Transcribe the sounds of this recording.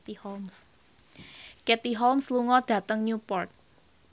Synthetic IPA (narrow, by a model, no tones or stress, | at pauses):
ms | kɛt̪iɦɔlmsluŋɔɖ̥ä̤t̪əŋɲupɔrt̪̚